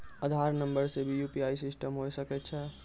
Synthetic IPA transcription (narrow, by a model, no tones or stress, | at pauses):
əd̪ʱaɾnəmbəɾsebʱijupiajsisʈəmɦojsəkɛt̪̚t͡ʃʰɛ